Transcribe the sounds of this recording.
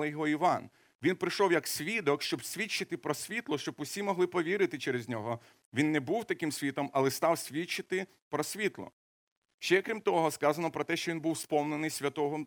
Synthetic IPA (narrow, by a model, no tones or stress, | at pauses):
lˠɪjɔɦɔiʋɑn | ʋʲinpɾɪʃɔwjɐksʲʋʲid̪ɔkʃt͡ʃɔbsʲʋʲit͡ʃːɪt̪ɪpɾɔsʲʋʲit̪lˠɔʃt͡ʃɔbʊsʲimɔɦlˠɪpɔʋʲiɾɪt̪ɪt͡ʃɛɾezʲnʲɔɦɔ | ʋʲinːɛbuwt̪ɐkɪmsʲʋʲit̪ɔmɐlˠɛst̪ɑwsʲʋʲit͡ʃɪt̪ɪ | pɾɔsʲʋʲit̪lˠɔ̰ | ʃt͡ʃɛkɾʲimt̪ɔɦɔskɑzɐnɔpɾɔt̪ɛʃt͡ʃɔʋʲinbuwspɔmnenɪjsʲʋʲɐt̪ɔɦɔm